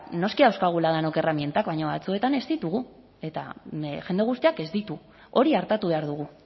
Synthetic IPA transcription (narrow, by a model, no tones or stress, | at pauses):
no̞skiawskaɣ̞ulaðanoke̞ramje̞nt̪akβajɲoβa̰t͡sue̞t̪ane̞zd̪it̪uɣ̞u | e̞t̪a̰ʝe̞nd̪e̞ɣ̞ust̪iake̞zd̪it̪u | o̞ɾiaɾt̪at̪uβe̞aɾðuɣ̞u